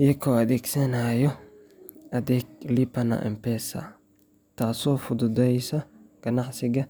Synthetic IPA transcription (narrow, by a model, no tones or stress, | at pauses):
jɛkʰːɔːɐd̪ɛːɡsɐnaːjɔ | ɐd̪ɛːk̚lipɐnɐ̰ʔɪ̰mpɛsɐ̰ | t̪aːsɔːfʊd̪ʊd̪ɛjsɐɡ̥ɐnaħsɪɡɐ